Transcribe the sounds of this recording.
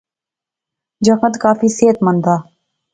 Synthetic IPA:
d͡ʒəkət̪kaːfiːseːt̪mənd̪aː

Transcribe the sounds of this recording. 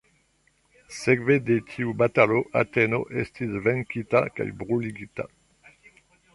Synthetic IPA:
sɛɡved̪et̪ʰiubat̪aloʔa̰t̪ɛno̰ʔɛst̪izvɛŋkit̪aka̰jbʁuliɡit̪a̰

